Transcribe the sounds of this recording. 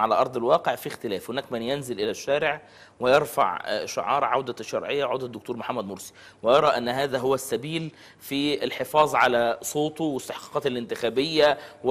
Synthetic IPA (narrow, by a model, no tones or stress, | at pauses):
ʕalæʔɑɾˤd̪ˤɪlwɑːqeʕfixt̪ɪlæːfhonæːkmɪnjenzɪlʔɪlæʃːæːɾɪʕ | wɪjɑɾˤfa̰ʕʃʊ̰ʕɑ̰ːɾˤʕa̰wd̪æʃːɑ̰ɾˤʕejːawʕawd̪æd̪ːʊk̚t̪uːɾmoħamːæd̪mʊɾsi̥ | wɪjɑɾˤɑʔænːɦæːðæɦʊwːæsːæbiːl | fiɪlħefɑːzˤʕalæsˤoːt̪wɪst̪ɪħqɑ̥ːqɑːt̪ɪlʔɪnt̪ɪxæːbɪjːæw